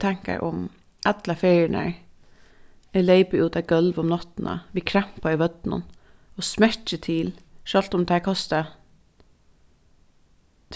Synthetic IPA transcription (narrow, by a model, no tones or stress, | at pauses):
t̪ʰæŋkə̰ɾʔʊm | ʔæt̪lɑfeɪɳə̰ɹ | ɛleɪpəʔʉːt̪ɑɡœlʋɔmnɑt̪n̩ə̰ʋɪːkʰɾæmpɑɪʋœd̪̥nə̰n | oːsmæt͡ʃət̪ʰiːlʃɑlt̪ɔmt̪ʰækʰɑst̪ə